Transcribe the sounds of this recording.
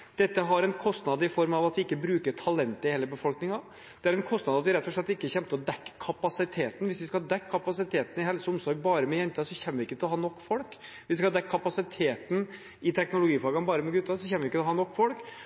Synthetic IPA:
d̪̥ɛt̪ːəɦɑɾɛnkʰɔst̪nɑd̪ɪfɔɾmɑʋɑt̪ʋɪɪkːəbɾʉːkəʈʰɑlɛnt̪əɪheːləbəfɔlknɪŋɑ | d̪̥ɛæɾɛnkʰɔst̪nɑd̪ɑt̪ʋɪɾɛt̪ːɔʂɭɛt̪ːɪkːəçɛnt̪əɔd̪ɛkːkʰːɑpɑsɪt̪ʰeːt̪n̩ʋɪsʋɪskɑd̪ɛkʰːɑpɑsɪt̪ʰeːt̪n̩ɪɦɛlsəʊmsɔɾɡ̚bɑːɾəmɛjɛnt̪əəsɔçɛnːəʋɪɪkːət̪ʰɪlɔɦɑːnɔkːfɔlkʋɪsɪkɑhɑd̪ɛkʰːɑpɑsɪt̪ʰeːt̪n̩ | ɪt̪ʰɛknʊlʊɡiːplɑːɡɑnbɑːɾəmɛɡʉt̪ːɑsɔçɛnːəʋɪɪkːət̪lɔɦɑːnɔkːfɔlk

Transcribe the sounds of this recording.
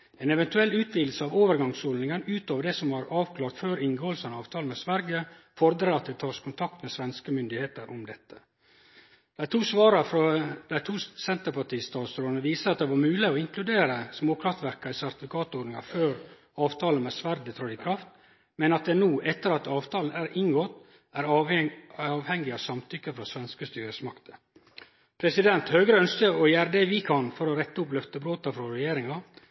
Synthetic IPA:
ɛnɛʋɛnt̪ʉɛlːʉːt̪ʋiːd̪l̩səɑːʋoːʋəɾɡɑŋshɔlɪŋənʉːt̪oːʋəɖɛsɔmhɑɾɑːʋkʰlɑːɾt̪føːɾɪŋɡoːəlsənɑːʋt̪ʰɑːl̩mɛsʋæɾɡə | fɔɾd̪ɾəɾɑt̪̚d̪ɛt̪ʰɑːʂkʰʊnt̪ʰɑk̚t̪mɛsʋɛnskəmʏnd̪ɪheːt̪əɾʔʊ̰md̪ɛt̪ːə̥ | d̪̥æɪt̪ʰuːsʋɑːɾɑfɾɑd̪̥æɪt̪ʰuːsɛnt̪əɾpɑʈiːst̪ɑːt̪sɾoːnəʋiːsəɑt̪̚d̪ɛʋɑɾmʉːlɪɔɪŋklʉd̪eːɾəsmoːkʰɾɑft̪ʋæɾkɑɪsæɾt̪ɪfɪkʰɑːt̪oːd̪nɪŋɑ̰føːɾ | ɑːʋt̪ʰɑːlnmɛsʋæɾd̪ət̪ʰɾɑɪkʰɾɑft̪ | mɛnɑt̪̚d̪ɛnuːʔɛt̪ːəɾɑt̪ɑːʋt̪ʰɑːln̩æɾʔɪŋɡoːt̪ | æɾ | ɑːʋhɛŋːɪɑʋsɑmt̪ʰʏkːəfɾɑsʋɛnskəst̪yːɾəsmɑ̰kt̪ə | pʰɾɛsɪd̪ɛnt̪høːɡɾəœnskəɔjæːɾəd̪ɛʋɪkʰɑnfɔɾɔɾɛt̪ːəʊplœft̪əbɾoːt̪ɑfɾɔɾɛjeːɾɪŋɑ

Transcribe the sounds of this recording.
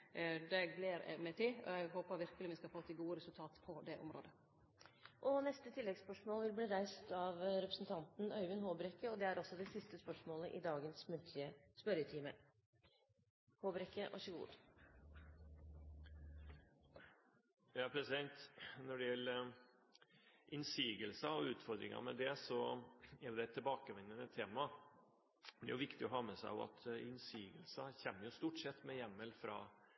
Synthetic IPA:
d̪ɛɡleːɾɛ̰mɛt̪ʰiːɔ̰ɛɡɦoːpəɾʋɪɾkəlɪmɪskɑfoːt̪ʰːɪɡuːəɾɛsʉlt̪ʰɑːt̪pʰɔd̪ɛʔʊ̰mɾo̰ːd̪ə | ʔɔnɛst̪ət̪ʰɪlːɛɡspœʂmoːlʋɪlbliːɾæɪst̪ɑʋɾɛpɾə̥sn̩t̪ʰɑnt̪n̩œʏʋənhoːbɾɛkːəɔd̪ɛæɾɔsɔd̪ɛsɪst̪əspœʂmoːlə̰ʔɪd̪ɑːɡənsmʉnt̪ʰlɪəspœɾət̪ʰiːmə | hoːbɾɛkːəʔɑ̰ʂəɡṵːd̪ | jɑæpʰɾɛsɪd̪ɛnt̪nɔɖɛjɛl | ʔɪnsiːɡəlsɑɔʉːt̪fɔɾd̪ɾɪ̰ŋɑ̰ɾmɛ̰d̪ɛsɔɛɾjʊd̪ɛt̪ʰːɪbɑːkəʋɛnːənət̪ʰːeːmɑ | d̪ɛ̰ɾjʊʋɪkt̪ɪɔɦɑːmɛsæ̰ɪʊ̰ɑ̰t̪ʰɪnsiːɡəlsɑçɛmːəɾjʊst̪uːʈsɛt̪ːmɛjæmːəlfɾɑ̰ː

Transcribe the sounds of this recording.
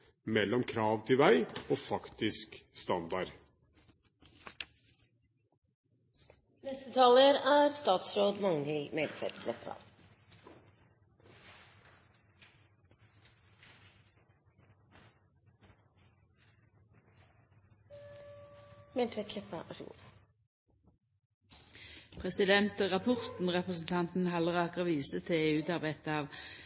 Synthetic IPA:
mɛlːɔmkʰɾɑːʋt̪ʰɪʋæɪoːfɑkt̪ɪskst̪ɑnd̪ɑɾ | nɛst̪ət̪ʰɑləɾæːɾst̪ɑːt̪sɾoːd̪mɑŋɪlmɛlt̪ʰfɛ̰ɾt̪ləpɾɑ̰ | mɛnt̪fɛt̪ʰlɛpɾɑ̰ | pʰʁɛsɪd̪ɛnt̪ʁɑpʰʊʁt̪n̩ʁɛpʁəsn̩t̪ʰɑnt̪n̩ɦɑləʁɑːkəʋiːsət̪ʰɪeːʉːt̪ɑʁbæɪt̪əɑːʋ

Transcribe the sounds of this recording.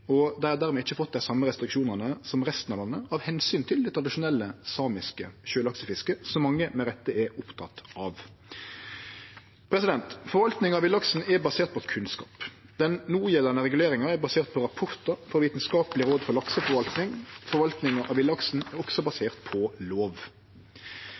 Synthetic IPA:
ɔd̪ɛæd̪æːʁmɛːɪçːəfɔt̪̚d̪æɪsɑmːəɾɛst̪ɾɪkʂuːnənəsɔmʁɛst̪n̩ɑʋlɑnːəɑʋhɛnsyːnt̪ʰɪld̪ɛt̪ʰʁɑd̪ɪʂʊnɛlːəsɑːmɪskəɕøːlɑksəfɪskəsɔmːɑŋːəmɛɾɛt̪ːəɛʊpt̪ʰɑt̪ɑːʋ | pʰɾɛsɪd̪ɛnt̪fɔɾʋɑlt̪nɪŋɑʋɪlɑksn̩ɛʁbɑseːʁt̪̚pʰɔɛkʰʉnskɑ̰ːp | d̪̥ɛnnuːjɛlənəʁɛɡʉleːɾɪŋɑɛbɑseːʁt̪̚pʰɔɾɑpʰʊɾt̪ɑɾfɔɾʋiːt̪nskɑːpəlɪɾoːd̪fɔɾlɑksəfɔɾʋɑlt̪nɪŋfɔɾʋɑlt̪nɪŋɑʔɑʋɪlɑksn̩ɛɾʁɔksɔbɑseːʁt̪pʰɔloːʋ

